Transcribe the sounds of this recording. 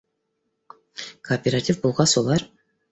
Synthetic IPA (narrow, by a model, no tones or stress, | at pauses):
kʰoːpʲeɾatʲifbolˠʁɑsolˠɑr